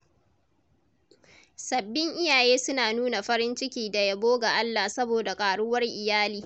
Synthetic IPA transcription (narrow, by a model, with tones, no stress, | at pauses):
sɐ˨bːɪ˦ŋʔɪ˦jaː˨jeː˦sʊ˦naː˨nuː˦na˨ɸɐ˦ɾɪ˦nt͡ʃɪ˦kʲiː˦da˨ja˦boː˦ɡa˨ʔa˦lːa˨sɐ˦boː˨da˨kʼaː˨ɽʊ˦wɐ˦rʔɪ˨jaː˦liː˨